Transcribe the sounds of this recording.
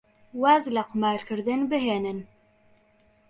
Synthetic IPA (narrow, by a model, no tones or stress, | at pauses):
waːzlaqʊmɑːɾkɨɾd̪ɨnbɨɦeːnɨn